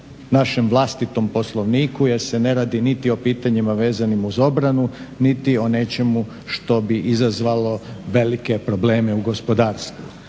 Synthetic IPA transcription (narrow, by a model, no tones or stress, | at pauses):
naʃe̞mʋlˠast̪it̪o̞mpo̞slˠo̞ʋniːkujeɾsene̞ɾaːd̪init̪io̞piːt̪aɲimaʋe̞ːzanimuzo̞bɾanunit̪io̞ne̞t͡ʃe̞mu | ʃt̪o̞biʔizazʋalo̞ʋe̞like̞pɾo̞ble̞ːmeuɡo̞spo̞d̪aːɾst̪ʋṵ